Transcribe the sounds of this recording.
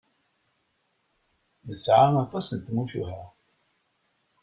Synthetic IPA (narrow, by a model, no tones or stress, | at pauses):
nəsʕamæθæsənt̪muʃṵhæ